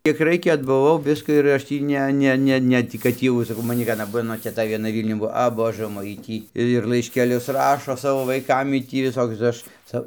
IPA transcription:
kʲiɛk ˈrɐɪkʲɛ ɐdbʊˈʋɐʊ ˈʋʲɪskɐ ɪr ˈɐʃ tʲiː ˈnʲɛ ˈnʲɛ ˈnʲɛ tʲiː kɐt ˈtʲiː jɛʊ sɐˈkɐʊ mɐˈnʲɪ ʋʲiɛˈnɐ ˈmɑːnoː tʲɛˈtɐ ʋʲiɛˈnɐ ˈʋʲiːlʲnʲʊn ˈbuɔ ɐ ˈboːʒɜ ˈmoːj ˈjiː ˈtʲiː ɪr lˠɐɪʃʲkʲɛˈlʲʊs ˈrɑːʃoː ˈsɑːʋoː ʋɐɪˈkɐm ˈjiː tʲiː ʋʲɪˈsoːkʲʊs tɐɪ ˈɐʃ ˈt͡sɐ

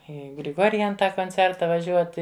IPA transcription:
ˈiː ɡrʲɪˈɡoːrʲjɛn ˈtɑː koːnʲˈt͡sʲɛrtɐ ʋɐˈʒʲuɔtʲɪ

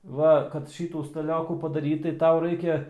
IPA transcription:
ˈʋɐ kɐt ˈʃʲiːtuː stɐˈlʲoːkuː pɐdɐˈrʲiːtɐɪ ˈtɐʊ ˈrɐɪkʲɛ

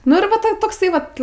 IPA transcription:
nʊ ɪr ˈʋɐ ˈtoː ˈtoːksɐɪ ʋɐt

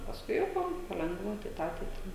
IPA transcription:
pɐsˈkʊɪ jɛʊ ˈpɐ pɐˈlʲɛŋɡʋɐ tɐɪ ˈtɑː tɐɪ ˈtɑː

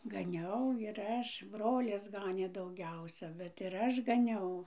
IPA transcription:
ɡɐˈnʲɛʊ ɪr ˈɐʃ ˈbroːlʲɪs ˈɡɑːnʲeː dɐʊˈɡʲɛʊsʲɛ ˈbʲɛt ɪr ˈɐʃ ɡɐˈnʲɛʊ

